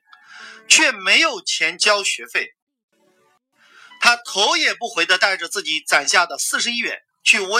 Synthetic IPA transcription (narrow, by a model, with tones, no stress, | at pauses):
t͡ɕʰɥɛ˥˩me˧˥ɪjo˨˩ʊt͡ɕʰjɛ˧˥nt͡ɕjɑ˥ʊɕɥɛ˧˥fe˥˩ɪ | t̪ʰa˥t̪ʰo˧˥ʊjɛ˨˩pu˥˩xwe˧˥ɪɤ˧˥t̪a˥˩ɪʈ͡ʂə˩t͡sɹ̩˥˩t͡ɕi˨˩t͡sa˨˩nɕja˥˩d̪ə˩sɹ̩˥˩ʂɻ̩˧i˥ɥɛ̰˧˥n | t͡ɕʰy˥˩we˥